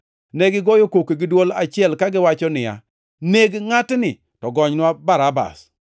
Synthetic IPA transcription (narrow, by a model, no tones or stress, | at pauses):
neɡɪɡɔjokokeɡɪdwolat͡ʃɪɛlkaɡɪwat͡ʃɔnɪja̰ | neɡŋatnɪ | tɔɡɔɲnwabaɾaba̰s